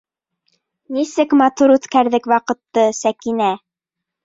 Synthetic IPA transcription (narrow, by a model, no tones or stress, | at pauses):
nisɘkmɑt̪uɾʉt̪kæɾðɘkwɑqɤ̆t̪ːɤsækinæ